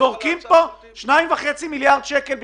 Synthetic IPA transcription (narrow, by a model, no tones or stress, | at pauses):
oʁkimpo | ʃnaimvaχet͡similjaʁd̪ʃekelb